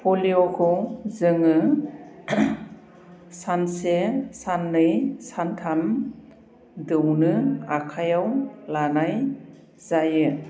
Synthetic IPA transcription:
pʰoliɔkʰɯwzɯŋɯ | sansesanːɯjsantʰam | dɯwnɯakʰajawlanaj | z̥ajɯ

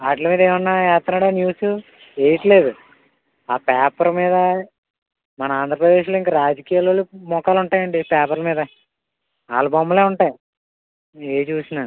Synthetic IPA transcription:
aːʈlɐmiːd̪eːʋɐnːaɛːt̪ːɐnaːɽaːnjuːsu | eːjiʈɐle̞ːd̪u | aːpaːpɐɾmiːd̪ɐ | mɐnɐaːnd̪ʱɾɐpɾɐd̪e̞ːʃloːiŋkaːɾaːd͡ʒɐkijaːloːlːumɔkaːluɳʈaːjɐɳɖipaːpɐɾlɐmiːd̪ɐ | a̰ːlɐbɐmːɐleːuɳʈaːji | eːt͡ʃuːsinaː

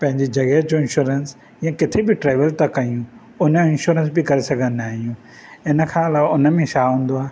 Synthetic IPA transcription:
pɐ̃ɦɪ̃ɲd͡ʑid͡ʑɐɣɐɦd͡ʑoːɪ̃nʃuːɾəns | jãkɪt̪ʰebɪʈɾeːʋəlt̪ɐkɐijũ | ʊnəɪ̃nʃuːɾə̃ns̬bɪkɐɾesɐɡʱə̃nnaːɦijũː | ɪnə̆kʰãɐlaːʋʊnə̆mẽʃaːɦũːn̆d̪oaː

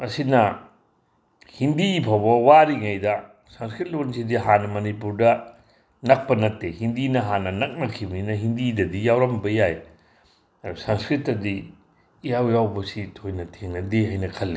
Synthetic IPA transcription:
ɐsinɐ | hindipʰawbɐwaɾiŋajdɐ | sɐnskɾit̚lonsidiɦanɐmɐnipuɾdɐ | nɐk̚pɐnɐtːehindinɐɦanɐnɐk̚nɐkʰiwninɐɦindidɐdijawɾɐmbɐjaj | usanskɾitːɐdi | ijawjawbɐsitʰojnɐtʰeŋnɐdeɦajnɐkʰɐlːe

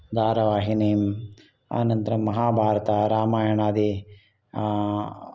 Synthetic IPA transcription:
d̪ʱaːɾɐʋaːɦineːm | a̰ːnɐnt̪ɾɐmːɐɦaːbʱaːɾɐt̪aɾaːmaːjɐɳaːd̪i

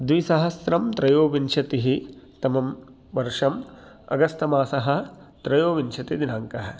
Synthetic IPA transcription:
d̪ʋisɐɦɐsɾɐmt̪ɾɐjoːʋint͡ʃʰɐt̪iɦit̪ɐmɐm | ʋɐɾʂɐm | ɐ̰ɡɐst̪ʰɐmaːsɐɦɐ̆t̪ɾɐjoːʋint͡ʃʰɐt̪id̪inaːŋkɐɦɐ

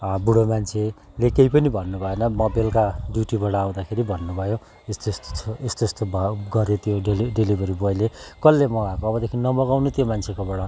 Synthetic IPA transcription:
buɽomant͡sʰe | lekejpʌnibʱʌnːubʱʌenʌmʌbelkaɖjuʈibʌɽʌːw̃d̪akʰeɾibʱʌnːubʱʌjo | est̪esest̪ost̪obʌɡʌɾet̪ʰijoeliɖelibʌɾibʌjlekʌlːemʌakoʌbʌd̪ekʰinʌmʌɡawnet̪jomant͡sʰekobʌɽʌ

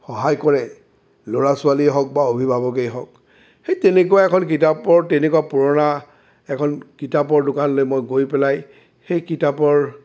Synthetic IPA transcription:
xɔɦajkɔɹɛ | loɹasʊaliɦɔk̚baobʱibʱabɔk̬ejɦɔk̚ | xejtenek̬ʊwaɛkʰɔnk̬itapɔɹtenekwapuɹɔna | ɛkʰɔnkitapɔɹdʊkanlojmojɡojpɛlaj | xejkitapɔɹ

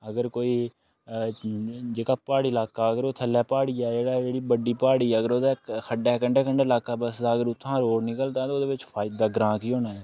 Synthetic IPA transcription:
əɡəɾkoːiː | d͡ʒeːkaːpaːɽiːlaːkaːəɡəɾoːt̪ʰəlːɛːpaːɽiːɛːd͡ʒeːɽaːd͡ʒeːɽiːbəɖiːpaːɽiːɛəɡəɾoːd̪eːkʰəɳɛːkəɳɖeːkəɳɖeːlaːkaːbəsaəɡəɾʊt̪ʰːãːɾoːɽnɪkəlt̪ãːt̪oːd̪eːʋɪt͡ʃpʰaːɪd̪aːɡəɾãːkiːɦoːnaːɦɛː

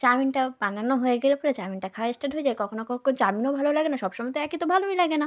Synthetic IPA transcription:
t͡ɕaɾminʈapananoɦoeɡelopɔɾet͡ɕaɾminʈakʰawaesʈaɖɦoed͡ʑajkɔkʰonokokont͡ɕaɾminobʱalolaɡenaʃɔbʃɔmat̪oɛkit̪obʱaloɦilaɡena

